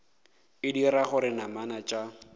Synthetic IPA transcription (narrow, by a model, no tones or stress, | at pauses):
ɪdiɾaχʊɾɪnamanat͡ʃʼa